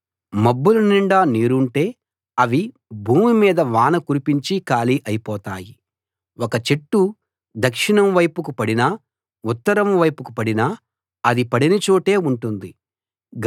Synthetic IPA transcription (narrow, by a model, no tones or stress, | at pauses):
mɐbːuluniɳɖaːniːɾuɳʈe̞ː | ɐʋi | bʱuːmimiːd̪ɐʋaːnɐkuɾipiɲt͡ʃikaːliʔɐjipɔːt̪aːji | wɔkɐt͡ʃeʈːu | d̪ɐkʂiɳɐmʋɐjpukupɐɽinɐ | ut̪ːɐɾɐmʋɐjpukupɐɽinɐ | ɐd̪ipɐɽinit͡ʃoːʈe̞ːuɳʈund̪i | ɡ